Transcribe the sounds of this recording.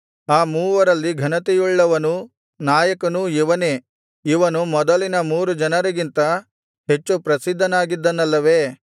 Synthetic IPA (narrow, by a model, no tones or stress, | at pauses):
aːmuːʋɐɾɐlːiɡʱɐnɐt̪ɛjuɭːɐʋɐnu | naːjɐkɐnuiʋɐneː | iʋɐnumɔd̪ɐlinɐmuːɾud͡ʒɐnɐɾɐɡint̪ɐ | ɦe̞t͡ʃːupɾɐsid̪ʱːɐnaːɡid̪ːɐnɐlːɐʋeː